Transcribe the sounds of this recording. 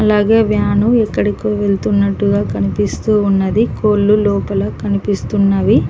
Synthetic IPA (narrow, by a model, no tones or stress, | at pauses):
ɐlaːɡeːʋjaːnuɛkːɐɽikoːʋeɭt̪unːɐʈːuɡaːkɐnipist̪uːnːɐd̪ikoːlːulɔːpɐlɐkɐnipist̪unːɐʋi